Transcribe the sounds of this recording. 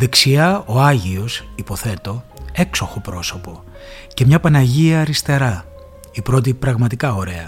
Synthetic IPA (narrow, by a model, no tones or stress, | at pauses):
ðe̞ksiɐo̞ɐʝio̞sipo̞θe̞t̪o̞e̞kso̞xopɾo̞so̞po̞ | ce̞mɲɐpɐnɐʝiɐɾist̪e̞ɾɐ | ipɾo̞t̪̬ipɾɐɣmɐt̪ikɐo̞ɾe̞ɐ